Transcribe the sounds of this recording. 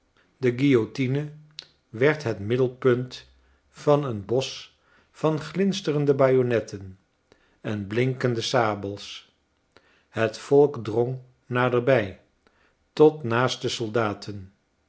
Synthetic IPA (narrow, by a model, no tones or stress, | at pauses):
dəɡijotinə | ʋɛɹtɦətmɪdəlˠpɵnt | fɑnənbɔs | fɑnχlɪnstərəndəbaːjonɛtən | ɛnblɪŋkəndəsaːbəlˠs | hətfɔlˠkdrɔŋ | naːdəɹbɛj | tɔtnaːstəsɔlˠdaːtʰən